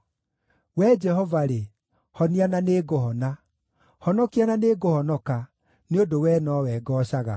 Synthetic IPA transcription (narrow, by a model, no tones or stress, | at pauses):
wɛːd͡ʒɛhɔvaɾe | hɔniananeːɡohɔna | hɔnɔkiananeːɡohɔnɔka | neodowɛnɔwɛːɡɔɕaɣa̰